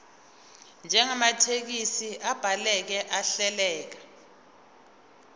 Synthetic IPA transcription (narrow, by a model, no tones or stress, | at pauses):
nd͡ʒʱɛŋamatʰek̬isiʔab̥ʱalɛk̬ɛʔaɬɛlɛːk̬a